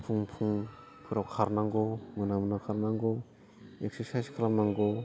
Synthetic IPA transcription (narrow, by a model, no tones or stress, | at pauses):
pʰuŋpʰuŋ | pʰɯɾawkʰaɾnaŋɡomɯnamɯnawkʰaɾnaŋɡo | ekseɾsajskʰalanaŋɡo